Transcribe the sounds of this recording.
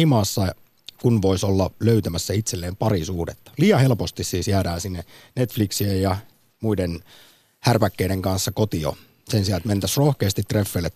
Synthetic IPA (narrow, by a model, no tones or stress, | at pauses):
imɑːsːɑ | kunʋoisolːɑløyt̪æmæsːæit̪selːeːmpɑɾisuhdet̪ːɑ̥liːɑhe̞lpost̪issiːsjæːdæːnsinːenet̪fliksiejjɑ | muiden | hærpækːeideŋkɑnsːɑkot̪io̰ | sensiɑlet̪ment̪æsrohkeːst̪it̪ːrefːelːet̪